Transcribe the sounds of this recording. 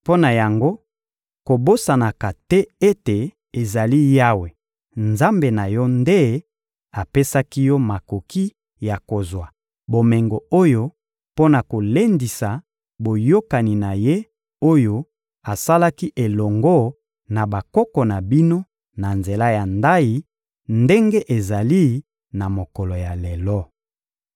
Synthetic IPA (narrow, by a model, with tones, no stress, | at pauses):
po˦na˨ja˨ŋɡo˦ | ko˨bo˦sa˨na˨ka˨tɛ˦e˦te˨ | e˨za˨li˦ja˦we˨ | nza˦mbe˨na˨jɔ˦nde˦ | a˨pe˦sa˦ki˦jɔ˦ma˨ko˨ki˦ | ja˨ko˨zwa˨ | bo˨mɛ˨ŋɡo˨o˦jo˦ | po˦na˨ko˨le˦ndi˨sa˨ | bo˨jo˦ka˨ni˨na˨je˦ | o˦jo˦ | a˨sa˦la˦ki˦ʔe˨lɔ˨ŋɡɔ˦ | na˨ba˨kɔ˦kɔ˨na˨bi˦no˦ | na˨nze˨la˦ja˨nda˦ji˨ | nde˦ŋɡe˦ʔe˨za˨li˦ | na˨mo˨kɔ˨lo˨ja˨le˨lɔ˦